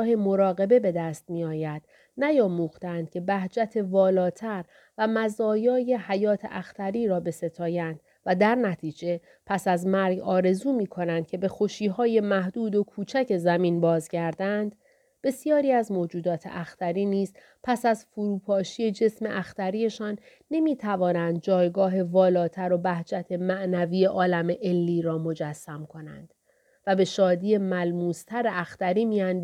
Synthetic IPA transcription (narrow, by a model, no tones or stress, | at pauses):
he̞mo̞ɾɒːɣe̞be̞be̞d̪æːst̪̚miɒːjæd̪̥ | næjɒːmuːxt̪eænd̪̥̚cʰe̞bæhd͡ʒæt̪ʰe̞vɒːlɒːt̪ʰæɾ | væmæzɒːjɒːje̞hæjɒːt̪ʰḛʔæxt̪ʰæɾiːɾɒːbe̞se̞t̪ʰɒːjænd̪̥ | væd̪æɾnæt̪ʰiːd͡ʒe̞ | pʰæsæzmæɾɡɒːɾe̞zuːmiːkʰo̞nænd̪̥̚cʰe̞be̞xoʃiːɦɒːje̞mæhd̪uːd̪o̞kʰuːt͡ʃʰæce̞zæmiːnbɒːzɟæɾd̪ænd̪̥ | b̥e̞sijɒːɾiːæzmoːd͡ʒuːd̪ɒːt̪ʰḛʔæxt̪ʰæɾiːniːz̥ | pʰæsæzfuɾuːpʰɒːʃije̞d͡ʒe̞sme̞̰ʔæxt̪æɾiːe̞ʃɒːnː | e̞miːt̪ʰævɒːnænd̪̚d͡ʒɒːjɡɒːɦe̞vɒːlɒːt̪ʰæɾo̞bæhd͡ʒæt̪ʰe̞mæʔnæviːje̞ʔɒːlæme̞ʔelːiːɾɒːmo̞d͡ʒæsːæmkʰo̞næ̰nd̪̥ | væbe̞ʃɒːd̪iːje̞mælmuːst̪ʰæɾeæxt̪æɾiːmiːjænd̪